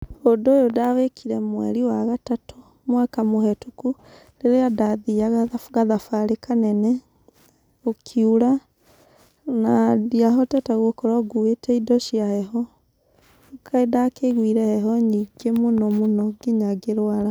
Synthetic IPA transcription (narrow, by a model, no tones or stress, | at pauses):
odoːjodawekʰiɾɛmwɛ̰ɾiwaɣatato | mwakamohɛtuku | leɾeadaðiaɣɡaðafaɾekanɛnɛ | okʰiuɾa | nadiaɦɔtɛtaɣwokɔɾaɡuetʰɛidɔʃiahɛɦɔ | kʰaedakeɣwiɾɛhɛɦɔɲiɡemonɔmonɔɡiɲaɡeɾwaɾa